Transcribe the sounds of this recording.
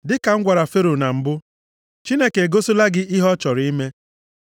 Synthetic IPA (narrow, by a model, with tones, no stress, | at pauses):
dɪ˦ka˨ŋ̩˦ɡʷa˨ɾa˨fe˦ɾo˨na˨m̩˨bʊ˦ | t͡ʃi˦ne˦ke˨e˨ɡo˦sʊ˦la˦ɡɪ˦ʔɪ˦ɦɔ˦t͡ʃɔ˨ɾi˦me˦